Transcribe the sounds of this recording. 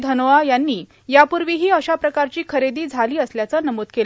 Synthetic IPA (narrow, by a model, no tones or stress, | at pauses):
d̪ʱənʋajanːiː | japuɾʋiːɦiːəɕapɾəkaɾt͡ɕiːkʰəɾed̪iːd͡zʱaliːəsljat͡sənəmod̪kel